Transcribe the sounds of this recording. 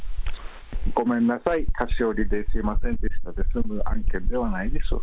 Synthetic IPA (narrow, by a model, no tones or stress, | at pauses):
ɡo̞mẽ̞nːasaik̪ʰaɕioɾʲid̪esɨimasẽ̞nd̪esɨ̥t̪ad̪esɨmɯʔã̰ŋkeɾd̪e̞βanaid̪esɨ̰